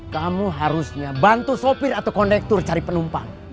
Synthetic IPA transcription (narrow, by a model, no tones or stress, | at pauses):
kamuɦaɾusɲabant̪usopirat̪awkɔndɛk̚t̪ʊrt͡ʃaɾipənumpaŋ